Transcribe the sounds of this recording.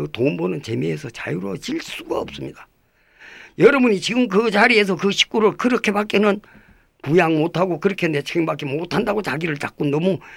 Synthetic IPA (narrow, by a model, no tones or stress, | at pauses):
ɯtombonɯnt͡ɕe̞meesʰʌt͡ɕa̰juɾot͡ɕiɭs͈uɡaʌp̚s͈ɯmɲida | jʌɾʌbuɲit͡ɕiɡɯmk̬ɯt͡ɕaɾie̞s̬ʰʌkɯɕʰi̥k̚k͈uɾɯɭkɯɾʌkʰe̞pak͈enɯn | pujaŋmotʰaɡokɯɾʌkʰene̞t͡ɕʰiɡɯmbak͈emotʰandaɡot͡ɕaɡiɾɯɭt͡ɕ͈ak͈onːʌmu